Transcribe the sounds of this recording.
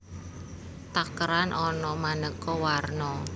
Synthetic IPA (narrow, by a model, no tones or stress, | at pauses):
t̪akəɾanʔɔnɔmanəkɔwarnɔ